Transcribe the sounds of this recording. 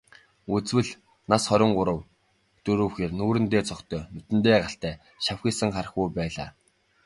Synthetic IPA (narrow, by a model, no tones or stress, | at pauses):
ut͡swɘ̆ɮ | nasχɔɾʲɪ̆ɴɢʊɾə̆w | t̪ɵɾɵ̆wxeːrnuːɾɘ̆nt̪eːt͡sʰɔkt̪ʰœːnɵt̪ɘ̆nt̪eːɢaɬt̪æː | ʃawxʲiːsə̆ŋχaɾə̆xujpæːɮa̰ː